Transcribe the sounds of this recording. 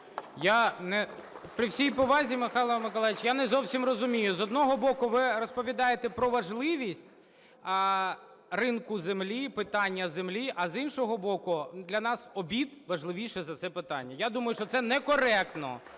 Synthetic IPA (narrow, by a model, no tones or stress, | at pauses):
janɛ | pɾʲɪwsʲijpɔʋɑzʲimɪxɑlˠɐmɪkɔlˠɛjɪt͡ʃjanɛzɔwsʲimrɔzʊmʲijʊzɔd̪nɔɦɔbɔkʊʋɪrɔspɔʋʲid̪ɑjet̪ɛpɾɔʋɐʒlˠɪʋʲisʲtʲ | rɪnkʊzemlʲipɪt̪ɑnʲːɐzemlʲiʔɐzinʃɔɦɔbɔkʊd̪lʲɐnɑsɔbʲid̪ʋɐʒlˠɪʋʲiʃɛzɐt̪sɛpɪt̪ɑ̰nʲːɐjad̪umɐjʊʃt͡ʃɔt̪sɛnɛkɔɾɛk̚t̪nɔ̰